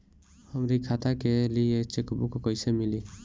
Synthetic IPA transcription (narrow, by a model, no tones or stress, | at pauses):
ɔmɾikʰat̪ʰakeliet͡ʃekubukɔkɔjsemili